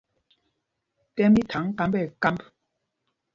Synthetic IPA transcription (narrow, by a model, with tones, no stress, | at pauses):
tɛ˦mi˦tʰa˨˦ŋka˦mbɛ˨ka˦mp